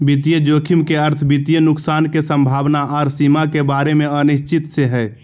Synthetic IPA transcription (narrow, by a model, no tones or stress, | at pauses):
bit̪̬ijəd͡ʒokʰimkeəɾt̪ʰbit̪ijənʊksaːnkesəmbʱaːʋnaɔːɾsimakebaɾemẽəniʃt͡ʃit̪seɦɛ